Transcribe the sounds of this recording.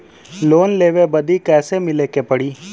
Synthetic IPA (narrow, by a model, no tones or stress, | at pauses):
loːnleːʋebɐd̪ikɛːsemɪlekepɐɽiː